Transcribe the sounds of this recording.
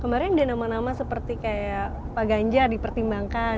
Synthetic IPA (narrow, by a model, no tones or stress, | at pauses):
kəmaɾɛndanamanamasəpərt̪ikaja | paɡaɲd͡ʒardipərt̪imbaŋka